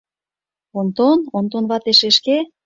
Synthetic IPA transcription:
ont̪onont̪onβɑt̪eʃeʃke

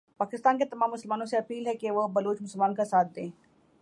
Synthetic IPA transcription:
paːkɪst̪aːnket̪ɐmaːmːʊsəlmaːnõseɐpiːlɦɛkeʋobɐloːt͡ʃmʊsəlmaːnkasaːt̪̚ʰd̪ẽː

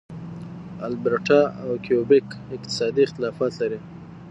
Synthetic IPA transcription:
a̰lbɾʈaawkijobɪkɪqt̪ɪ̥sɑd̪iɪxt̪ɪlɑfɑt̪laɾi

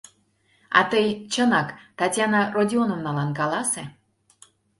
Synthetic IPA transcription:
ɑ̰t̪əjt͡ɕənɑkt̪ɑtʲjɑnɑrodʲionəmnɑlɑnkɑlɑse

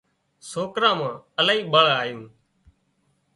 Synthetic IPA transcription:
soːkɾãːmãːəlaːiːɓəɭaːjũː

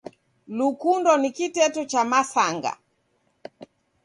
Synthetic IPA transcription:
lukundɔnikitɛtut͡ʃamasaŋɡa̰

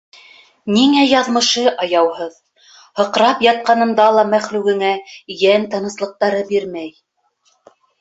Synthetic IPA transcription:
niŋæjɑðmɤ̆ʃɤʔɑjɑwhɤð | hɤ̆qɾɑpjɑt̪̚qɑnɤ̆nd̪ɑlˠɑmæχlʉɡɘ̆ŋæjænt̪ɤ̆nɤ̆slˠɤ̆q̚t̪ɑɾɤbiɾmæj

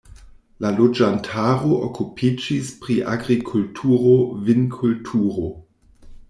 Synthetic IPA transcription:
lalod͡ʒantʰaɾoʔokupʰid͡ʒispɾiʔa̰ɡɾikʰultʰuːɾovinkʰultʰuːɾo

